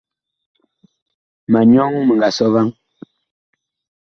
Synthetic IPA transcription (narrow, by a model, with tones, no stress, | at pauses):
ma˨ɲɔ˦ŋmə˨ŋɡa˨sɔ˦va˦ŋ